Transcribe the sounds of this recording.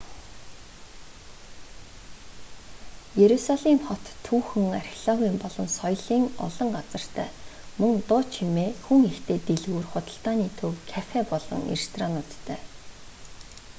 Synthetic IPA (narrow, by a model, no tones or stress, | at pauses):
jeɾusaɮiːmχɔt̪ʰːuːxɵ̆ŋarʲxɮɔɣʲiːmpɔɮɞ̆msɔjɮiːŋɔ̰ɮɞ̆ŋɢat͡sə̆r̥t̪ʰæ̰ːmɵŋt̪ʊt͡ɕʰximeːxuŋext̪ʰeːt̪eɮɣuːrχʊt̪ə̆ɬt̪aːniːt̪ʰɵwkʰafepɔɮɞ̆ŋḛrst̪ʰranʊt̪ːʰœː